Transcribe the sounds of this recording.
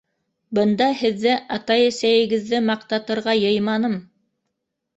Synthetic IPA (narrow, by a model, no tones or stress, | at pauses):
bɤ̆nd̪ɑhɘ̆ðːɘʔɑt̪ɑjæ̆sæjɘ̆ɡɘ̆ðːɘmɑq̚t̪ɑt̪ɤ̆ɾʁɑjɤ̆jmɑnɤm